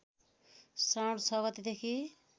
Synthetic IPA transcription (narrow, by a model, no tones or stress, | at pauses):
sawɽt͡sʰʌɡʌt̪id̪ekʰi